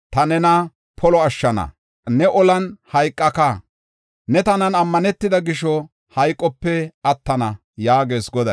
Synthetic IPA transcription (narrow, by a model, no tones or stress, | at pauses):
t̪ɐnɛnɐ | pʰɔlɔɐʃːɐnɐ̰ | nɛʔɔlɐnhɐjkʼːɐkɐ | nɛt̪ɐnɐnɐmːɐnɛt̪ːɪd̪ɐɡɪʃɔ | hɐjkʼːɔpːɛɐt̪ːɐnɐ | jaːɡe̞ːsɡɔd̪ɐ